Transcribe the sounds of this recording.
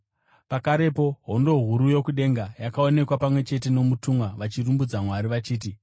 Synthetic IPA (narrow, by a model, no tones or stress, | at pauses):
pakaɾe̞poɦo̞ndo̞ɦuɾujo̞kuɗe̞ŋɡajakao̞ne̞kwapamwe̞t͡ʃe̞t̬e̞no̞mutumwaʋat͡ʃirumbud͡zamwaɾiʋat͡ʃiːt̬i